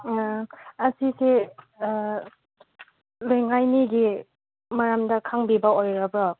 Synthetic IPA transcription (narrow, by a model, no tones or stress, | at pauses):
ɐsise | lejŋajniɡi | maɾamdɐkʰaŋbibɐojɾabɔ